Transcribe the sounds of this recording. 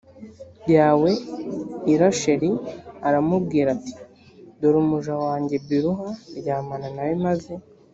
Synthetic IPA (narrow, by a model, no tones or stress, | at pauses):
jaːwe̞ | iɾaʃeɾiaɾamub̚ɡiːɾati̥ | doɾumuʒawaːɲɟe̞biɾuɦaɾɟaːmananawimaze̞